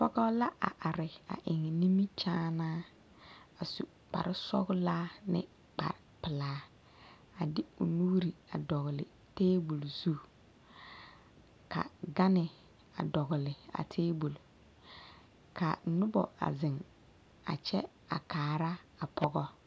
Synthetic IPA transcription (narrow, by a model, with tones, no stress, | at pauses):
pɔ˦ɡɔ˦la˦ʔa̰˨ʔa˨ɾɪ˨a̰˨ʔɪ˨ŋ˨ni˦mi˦t͡ʃaː˦naː˦ | a˨sṵ˨ | k͡pa̰˨ɾɪ˦sɔ̰˦ɡʊ˦laː˦nɪ̰˦ | k͡pa̰˨ɾɪ˨pɪ˨laː˦ | a˨dɪ˦ʊ˨nu˦ɾi˨a˨dɔ˨ɣɪ˨lɪ̰˨ | teː˦bu˨lsu˦ | kʰa̰˨ɡa˦nɪ˨ | a̰˨dɔ˨ɡɪ˨lɪ˨a̰˨tʰeː˦bu˨l | kʰa˨nʊ˦bɔ̰˨a̰˨zɪ˨ŋ | a̰˨t͡ʃɛ˦ | a̰˨kaː˨ɾa˦a˨pʰɔ˦ɡɔ˦